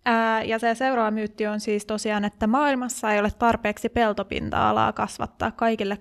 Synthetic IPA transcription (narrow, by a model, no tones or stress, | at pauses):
jɑseseuɾoɑmyːt̪ːionsiːst̪osiɑːnet̪ːæmɑːilmɑsːɑejolet̪t̪ɑrpeːksipe̞lt̪opḭnt̪ɑ̰ɑ̰lɑ̰ːkɑsʋɑ̰t̪ːɑ̰ːkkɑikilːe